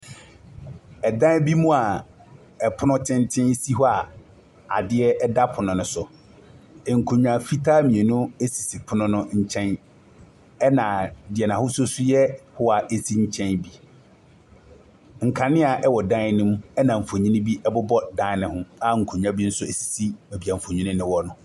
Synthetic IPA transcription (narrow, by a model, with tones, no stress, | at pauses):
ɛ˨dã˦bi˦mũ˦a˨ | ɛ˨pʰʊ˦nʊ̃˦tʰɪ̃˦ntʰɪ̃˦n˦si˦ɦɔ˦a˨ | a̰˨dɪ˦ɛ˦ʔɛ˦da˦pʰʊ˨nʊ̃˨nʊ̃˨˦sʊ˨ | ɛ˨ŋ̩˨kʰũ˨ɲᶣ˨ã˨fi˦tʰaː˦mĩ˨e˨nʊ̃˦e˦si˨si˨pʰʊ˦nʊ̃˦nʊ̃˦ɲ̩˦t͡ɕʰɛ̃˦n | ɛ˦nã˨dɪ˨ɛ˨nã˨hʊ˦sʊ˦sʊ˦jɛ˦hʊ˦a˨ʔe˦si˦ɲ̩˦t͡ɕʰɛ̃˦nbi˨ | ŋ̩˨kʰã˨nɪ̃˦a˨ʔɛ˦wɔ˨dã˦nʊ̃˦m˦ɛ˦nã˨m̩˨fo˨ɲĩ˦nɪ̃˦bi˦ʔɛ˦bʊ˦bɔ˦dã˦nɪ̃˨hʊ̃˦a˦ŋ̩˨kʰõ˨ɲᶣ˦ã˦bi˦n̩˦sʊ˦e˨si̥˨si˦ɛ˨bi˨a˨m̩˨fo˨ɲᶣũ˦nɪ̃˦nɪ̃˦wɔ˦nʊ̃˦˨